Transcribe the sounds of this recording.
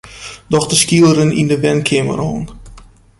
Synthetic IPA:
dɔxdəskilˠəɾənindəʋɛnkʰɪmə̰rɦoːn

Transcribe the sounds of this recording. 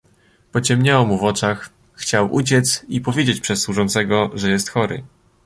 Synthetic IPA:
pɔt͡ɕɛmɲawɔmuvɔt͡ʂaxː | t͡ɕawʔut͡ɕɛt̪sipɔvʲjed͡ʑet͡ɕpʂɛsːwuʐɔnt̪sɛɡɔʐɛjɛst̪xɔɾɘ̰

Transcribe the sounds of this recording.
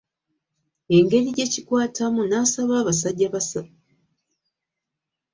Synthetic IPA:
e̞ŋɡe̞ɾiɟe̞cikwaːtʰamunaːsaβaːβasaɟːaβasa

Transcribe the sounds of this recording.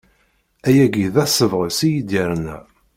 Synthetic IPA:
æjæɡiðæsəvʁəsijid̪jəɾnæ

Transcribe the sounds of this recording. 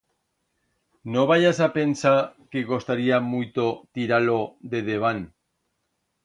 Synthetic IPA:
noβaʝasapensakeɣost̪aɾiamujt̪ot̪iɾaloðeðeβ̞an

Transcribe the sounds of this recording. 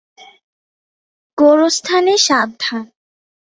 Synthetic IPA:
ɡ̥oɾost̪ʰaneʃad̪ʱan

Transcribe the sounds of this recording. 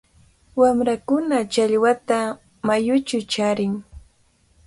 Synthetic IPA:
wamɾakʊnat͡ʃaʎwat̪a | majʊt͡ʃʊt͡ʃaɾɪŋ

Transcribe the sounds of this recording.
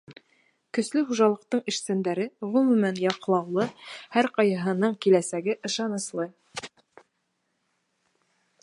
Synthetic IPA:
kɵ̆slɵχuʒɑlˠɤ̆q̚t̪ɤɴɘ̆ʃsænd̪æɾɘʁɵmʉmænjɑqlˠɑwlˠɤhæɾqɑjɑɦɤ̆nɤɴkilæsæɡɘʔɤ̆ʃɑnɤ̆slˠɤ

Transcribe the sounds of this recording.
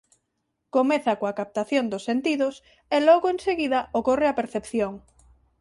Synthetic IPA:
komeθakoakap̚t̪aθjond̪ʊsːent̪iðʊs | elɔɣoenseɣiðɐokoreapeɾθepθjoŋ

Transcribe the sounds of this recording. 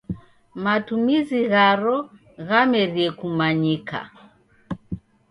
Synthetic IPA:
matumiziɣaɾɔ | ɣamɛɾiɛkumaɲika̰

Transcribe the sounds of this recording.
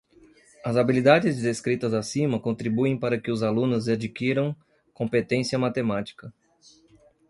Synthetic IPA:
ɐzabilid̪ad͡ʒɪzd͡ʒd̪eskɾit̪ɐzasĩmɐkõnt̪ɾibuẽj̃paɾɐkɪʊzalũnʊzad͡ʒikiɾɐ̃w̃ | kõmpet̪ẽsiɐmat̪emat͡ʃi̥kɐ

